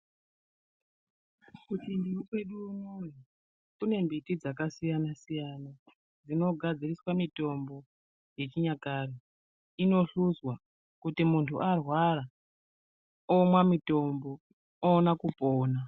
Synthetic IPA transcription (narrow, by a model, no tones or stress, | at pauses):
kutindiwukwe̞ɗuːnoni | kune̞mbitid͡zakasijanasijana | d͡zino̞ɡʱad͡ziriswamito̞mbo̞ | je̞t͡ʃiɲakaːri | ino̞ɬuzwa | kutimuntʰuʔarwaɾa | omwamito̞mbo̞ | onakupoːna